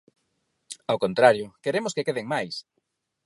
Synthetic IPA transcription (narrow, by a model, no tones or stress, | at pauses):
awkont̪ɾaɾjʊkeɾemʊskekeðeŋmajs